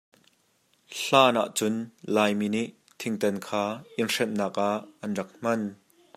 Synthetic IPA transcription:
ɬaːna̰ʔt͡sʊnlaːjminiʔ | t̪ʰɪŋt̪ɐnkʰaːʔɪnrɛnːaːkʔaʔːɐnrɐk̚m̥ɐn

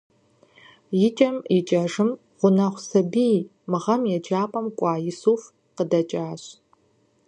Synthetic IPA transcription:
jɪt͡ʃʼɐmjɪt͡ʃʼɐʐɨm | ʁʷʊnɐχʷsɐbij | mɨʁɐmjɛd͡ʒaːpʼɐmkʷʼɑːjɪsuːf | qədɐt͡ʃʼaːɕ

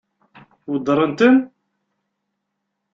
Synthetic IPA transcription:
wəd̪ɾˤənt̪ən

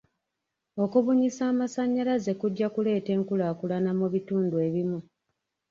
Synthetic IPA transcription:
o̞kuβuɲisaːmasaɲːalaze̞kuɟːakule̞ːte̞ːŋkulaːkulanamuβituːndue̞βimu

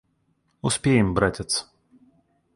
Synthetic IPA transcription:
ʊspʲejɪmbɾatʲɪt̪s

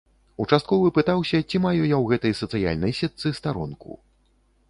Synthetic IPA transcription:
ut͡ʂast̪̚kɔvɨpɨt̪awsʲɐt͡sʲimajujawɣɛt̪ɐjsɐt̪sɨja̰lʲnɐjsʲɛt̪sɨst̪aɾɔ̰nkṵ

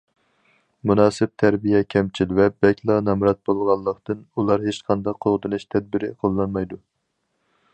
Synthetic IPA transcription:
munɑːsɪp̚t̪ʰæɾbijɛkʲʰɛmt͡ʃʰilvɛbɛkʲlˠɑnɑmɾɑt̪̚bolˠʁɑlˠːəqt̪ɨnulˠɑɾɦet͡ʃqʰɑnd̪ɑqʰːoʁd̪ɨnɨʃt̪ʰɛd̪̚bɪɾɪ̰qʰolˠːɑnmɑjd̪u

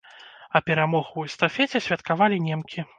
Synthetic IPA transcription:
ɐpʲɛɾamɔɣuɛst̪afʲɛt͡sʲɛsʲvʲɐt̪kavalʲinʲɛmkʲʰi

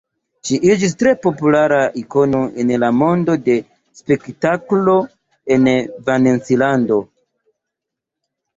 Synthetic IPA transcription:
ʃiʔid͡ʒis̬tɾe̞po̞pulaɾaʔiko̞no̞ʔenlamo̞ndo̞de̞ | spe̞ktaklo̞ | e̞nvanensilando̞

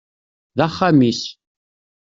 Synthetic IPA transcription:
ðaχːamis

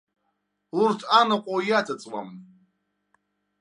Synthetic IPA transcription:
lurtʰʼanaqʷʼojat͡sʼat͡sʼla̰m

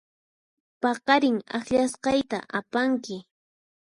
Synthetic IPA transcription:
pɑqɑɾɪŋa̰xʎasqɑjt̪a̰ʔapaŋkɪ

